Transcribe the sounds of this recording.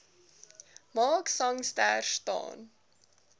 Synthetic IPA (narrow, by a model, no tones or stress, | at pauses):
mɑːksɐŋstæːrstɑ̰ːn